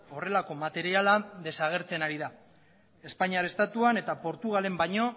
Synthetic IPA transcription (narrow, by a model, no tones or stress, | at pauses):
o̞re̞lako̞mat̪e̞ɾialaðe̞saɣ̞e̞ɾt͡se̞naɾiða | e̞spaɲiaɾe̞st̪at̪uane̞t̪apo̞ɾt̪uɣ̞ale̞mbaɲo̞